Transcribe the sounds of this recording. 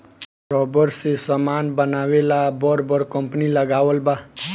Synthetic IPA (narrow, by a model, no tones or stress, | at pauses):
ɾɔbəɾsesəmaːnbənaːʋelabɔɾbəɾkəmpniləɡaːʋəlba